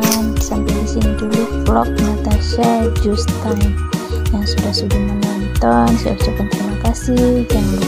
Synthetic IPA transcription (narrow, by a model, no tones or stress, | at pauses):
ansampabisiniduluflɔk̚nat̪aʃad͡ʒust̪anjaŋsudahsudahmənant̪ɔnsa̰t͡ʃukant̪ɾimakasihd͡ʒaŋb